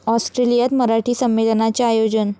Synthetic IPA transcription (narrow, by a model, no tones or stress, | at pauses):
ɔsʈɾelijat̪məɾaʈiːsəmʋelənat͡ɕeajod͡ʑən